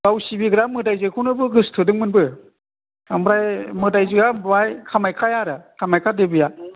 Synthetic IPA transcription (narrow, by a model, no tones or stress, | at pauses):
ɡ̥awsibiɡɾamɯdajzɯkʰunɯbɯɡɯstʰɯdɯŋmɯnbɯ | ambɾajmɯdajzɯɡabajkʰamajkʰajaɾɯkʰamajkʰadebɯja